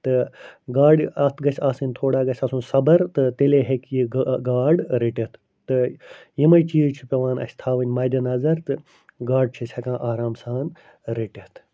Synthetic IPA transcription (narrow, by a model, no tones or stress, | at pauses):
t̪ɨɡaːɖɐt̪ʰɡɐsʰʲaːsɨnʲt̪ʰoːɽaːɡɐsʲaːsũnsɐbɐɾt̪ɨt̪eleɦekjiɡɡaːɖɾiʈʲɐt̪ʰ | t̪ɨjimɐjt͡ʃiːt͡ʃʰupʲɐʋaːnɐ̰sʲt̪ʰaːʋɨnʲmɐːd̪ʲɐnɐzɐɾt̪ɨ | ɡaːɖ̚t͡ʃʰisʲhɐkãːʔaːɾaːmsaːn | ɾiʈʲet̪ʰ